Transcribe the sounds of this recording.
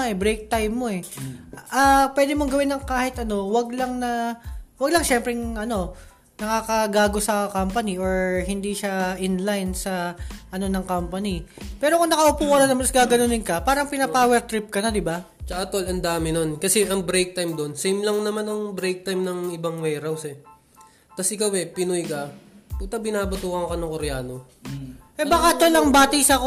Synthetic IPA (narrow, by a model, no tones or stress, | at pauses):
ʔɛbɾɛjk̚t̪ajmːo̞ɛʔapwɛːd̪ɪmoŋɡɐwɪnːɐŋkaːhɪt̪ʔɐno̞wɐɡ̚lɐŋnɐwɐɡlɐŋʃɛmpɾɛŋʔɐno̞ | nɐkaːkɐɡaːɡo̞sɐkampɐniʔoɹhɪnd̪iʃaʔɪnlajnsɐʔɐno̞nɐŋkampɐnipɛːɾokoŋnɐkɐʔʊpuːkɐnɐnɐmsɡaːɡɐnonɪnkɐpaːɾɐŋpɪnɐpaːwɛɾt̪ɾɪp̚kɐnad̪ɪba | t͡ʃɐʔɐt̪olɐnd̪aːmɪno̞nkɐsɛʔɐŋbɾejk̚t̪ajmd̪o̞nsɛjmlɐŋnɐmanɐŋbɾejk̚t̪ajmnɐŋʔɪbaŋwɛjɾɐwsɛ | t̪ɐsʔɪkawɛpɪnojkɐput̪ɐbɪnaːbɐt̪uːkɐŋkɐnɐŋkoɾɛjaːno̞ | ʔɛbaːkat̪olɐŋbaːt̪ijsɐk